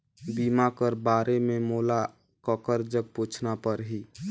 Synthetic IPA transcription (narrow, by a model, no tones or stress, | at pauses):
bimakəɾbaːɾememoːla | kəkəɾd͡ʒəɡ̚put͡ʃʰnapəɾɦi